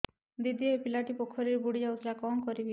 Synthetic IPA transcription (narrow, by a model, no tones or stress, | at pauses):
d̪id̪ijɔepilaʈipokʰɔɾiɾbuɽid͡ʒawt̪ʰilakɔŋkɔɾibi